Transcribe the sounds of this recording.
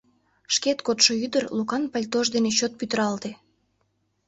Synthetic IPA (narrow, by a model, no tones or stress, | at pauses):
ʃket̪kot̪ʃoyd̪ərlukɑnpɑlʲt̪oʒd̪enet͡ɕot̪̚pyt̪əɾɑlt̪e